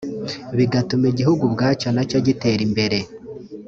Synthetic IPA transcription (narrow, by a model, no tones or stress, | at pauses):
βiɡatumiɟihuɡubɡaːt͡ʃanacoɟite̞ɾimbe̞ɾe̞